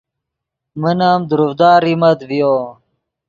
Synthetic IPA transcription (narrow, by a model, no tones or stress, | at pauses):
mənaːmd̪uɾufd̪aːɾimɐt̪vijoː